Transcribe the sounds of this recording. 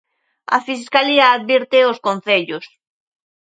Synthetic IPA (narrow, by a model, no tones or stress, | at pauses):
a̰fiskaliaːðβiɾt̪eoskonθeʎʊs